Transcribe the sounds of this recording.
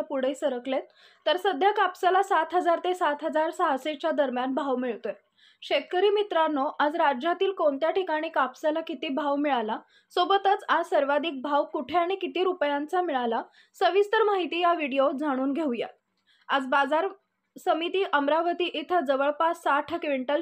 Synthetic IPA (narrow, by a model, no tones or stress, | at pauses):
apuɽ̤esəɾəklet̪ː | əɾsəd̪ʱjakapsalasat̪ɦəd͡zaɾt̪esat̪ɦəd͡zaɾsaɦaset͡ɕjad̪əɾmjanbʱaʋmiɭt̪o | ɕekəɾiːmit̪ɾanːoʔad͡zɾad͡ʑjat̪iːlkoɳt̪jaʈikaɽ̃iːkapsalakit̪iːbʱaʋmiɭala | sobət̪ət͡sasəɾʋad̪iːk̚bʱaʋkuʈʰeaɽ̃ikit̪iːɾupjant͡samiɭala | səʋist̪əɾmaɦit̪iːjaʋiɽijod͡zʱaɽ̃uːnɡʱeũja̰t̪̚ | ad͡zbad͡zaɾ | səmit̪iːʔəmɾaʋət̪iːʔit̪ʰəd͡zəʋəɭpasaʈʰəkʋiɳʈəl